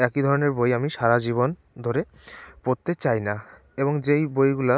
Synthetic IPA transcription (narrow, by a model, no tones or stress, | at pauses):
ɛkid̪ʱɔɾoneɾbojamiʃaɾad͡ʑiβon | d̪ʱoɾe | poɾt̪et͡ɕajna | eβoŋd͡ʑejbojɡula